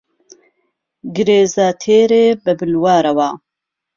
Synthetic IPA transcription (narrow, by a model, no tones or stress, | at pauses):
ɡɨɾeːzaːt̪ʰeːɾeːbɨbɨlwaːɾɐwaː